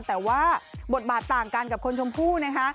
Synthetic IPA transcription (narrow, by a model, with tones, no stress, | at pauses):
t̪ɛː˨˩waː˥˩bo˨˩t̪̚baː˨˩t̪ːaː˨˩ŋka˧nka˨˩p̚kʰo˧nt͡ɕʰo˧mpʰuː˥˩na˦˥kʰa˦˥ʔ